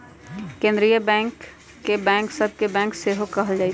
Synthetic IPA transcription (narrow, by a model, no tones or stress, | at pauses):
kẽːnd̪ɾijəbɛ̃ːŋkː | ebɛ̃ːŋksəb̚ʱkebɛ̃ːŋkseɦokɐɦəld͡ʒaːɪ